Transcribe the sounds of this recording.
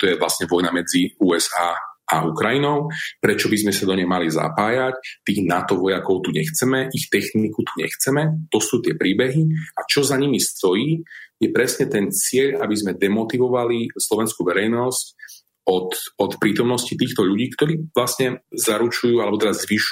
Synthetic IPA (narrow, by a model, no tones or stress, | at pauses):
t̪ɔjɛʋlasɲɛʋɔjnamɛd͡ziuːɛzaːa̰ukɾajinɔʊpɾɛt͡ʃɔbizmɛsad̪ɔɲɛjmalijza̰paːjact̪iːɣnat̪ɔʋɔjakɔʊt̪uɲɛxt͡sɛmɛʔixt̪ɛxnikut̪uɲɛ̰xt͡sɛmɛt̪ɔsuːt̪ɪɛpɾiːbɛɦiat͡ʃɔzaɲimist̪ɔjiːjɛpɾɛsɲɛt̪ɛnt͡sɪɛʎabizmɛd̪ɛmɔt̪iʋɔʋalislɔʋɛnskuʋɛɾɛjnɔsc | ɔt̪ɔt̪pɾiːt̪ɔmnɔscit̪iːxt̪ɔʎuɟiːkt̪ɔɾiːʋlasɲɛzaɾut͡ʃujuːalɛbɔt̪ɛɾazzʋiʃ